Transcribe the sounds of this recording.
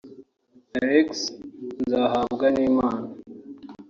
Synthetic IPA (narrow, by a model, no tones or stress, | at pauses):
ɐɾekszaːɦaːbɡɐniːmaːn